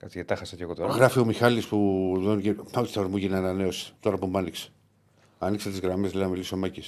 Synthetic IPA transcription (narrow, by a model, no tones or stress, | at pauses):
kɐt͡s̪iet̪ɐxɐsɐceɣot̪oɣɾɐfio̞mixɐlispuðoniceot̪i̥θeɾmuʝineɐnɐne̞osi̥t̪o̞ɾɐpumbɐnikse̥ | ɐnikset̪izɣɾɐmeziɐmilisomɐcis